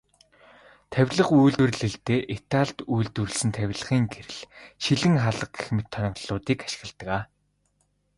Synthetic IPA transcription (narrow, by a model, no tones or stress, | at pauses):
t̪ʰæwʲɮə̆χujɮt̪wɘ̆rɮɘ̆ɮt̪eːʔit̪ʰaːɮt̪ujɮt̪urɘ̆ɮsɘ̆nt̪ʰæwʲɮə̆χiːŋɡeɾɘ̆ɮʃiɮɘ̆ŋχaɮə̆q̚ɡe̥xmɘ̆t̪ʰːɔnʲɪ̆ʁɮʊːt̪iːkaʃɪ̆ɣə̆ɮt̪ə̆kaː